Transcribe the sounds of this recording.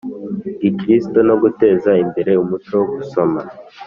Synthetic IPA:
ɡikɾisto̞no̞ɡute̞ːzaimbe̞ɾe̞umut͡ʃo̞woɡuso̞ma

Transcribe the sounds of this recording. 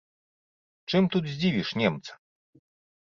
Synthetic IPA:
t͡ʂɨmt̪ud̪zʲd͡zʲivʲiʂnʲɛmt̪sɐ̥

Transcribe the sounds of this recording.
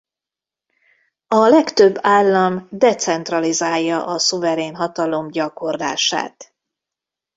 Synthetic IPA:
ɒlɛkt̪øbːaːlːɒmd̪ɛt̪sɛnt̪rɒlizaːjːɒʔɒsuvɛɾeːnɦɒt̪ɒlo̞mɟɒko̞rla̰ːʃa̰ːt̪

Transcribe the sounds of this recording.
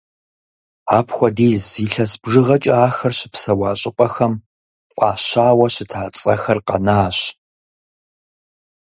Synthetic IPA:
aːpʰxʷɔdeːziːɬɐsbʐɨʁɐt͡ʃʼɐaːxɐrɕɪ̥psɐwaːɕʼɪqʷʼɐxɐm | qʷʼɑːɕaːwɐɕɪtʰaːt͡sʼɐxɐrqɐ̰naːɕ

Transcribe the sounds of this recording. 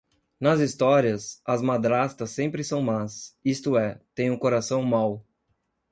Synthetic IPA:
nɐzist̪ɔɾiɐsɐzmad̪ɾast̪ɐsːẽmpɾɪsɐ̃w̃masist̪ʊɛt̪ẽj̃ũkoɾasɐ̃w̃maw

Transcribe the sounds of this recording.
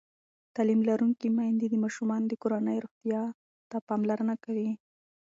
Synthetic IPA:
t̪alimlaɾuŋkimajnd̪ed̪əmɑʃumɑnd̪əkoɾanəjɾoɣt̪jɑ | t̪apɑmlaɾənakawi

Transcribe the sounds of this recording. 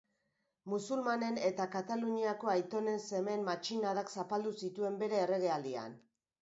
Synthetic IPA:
musulmane̞ne̞t̪akat̪aluɲiako̞ajt̪o̞ne̞nse̞me̞nmat͡ʃinaðaksapald̪usit̪ue̞mbe̞ɾe̞ːre̞ɣe̞ald̪ia̰n

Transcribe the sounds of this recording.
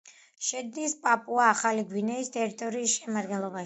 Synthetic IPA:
ʃɛd̪nispʼapʼuaːχaliɡwinɛist̪ʼɛɾit̪ʼɔɾiːsʃɛmad̪ɡɛnlˠɔbaʃ

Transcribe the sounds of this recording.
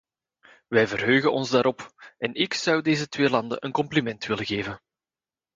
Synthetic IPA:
ʋɛjvərɦøːɣənɔnzdaːɾɔpɛnɪksɑwdeːzətweːlɑndə̰nʔənkɔmplimɛntʋɪləɣeːvən

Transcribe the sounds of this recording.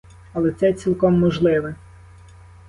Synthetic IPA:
ɐlˠɛt̪sɛt͡sʲilˠkɔmːɔʒlˠɪʋɛ

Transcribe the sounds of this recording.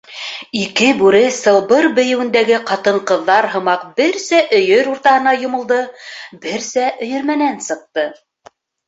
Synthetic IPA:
ikɘbʉɾɘsɤ̆lˠbɤɾbɵ̆jɘ̆wɘ̆nd̪æɡɘqɑt̪ɤ̆ɴqɤ̆ðːɑɾɦɤ̆mɑqbɘɾsæʔɵ̆jɵɾuɾt̪ɑhɤ̆nɑjŏmɤ̆lˠd̪ɤbɘɾsæʔɵ̆jɵ̆ɾmænænsɤ̆q̚t̪ɤ

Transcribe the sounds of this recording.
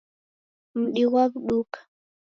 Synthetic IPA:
m̩ɗiwaβɗukḁ

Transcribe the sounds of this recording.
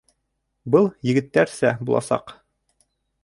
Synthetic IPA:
bɤlˠjɘ̆ɡɘ̆t̪ːæɾsæbulˠʔɑ̰sɑ̰q

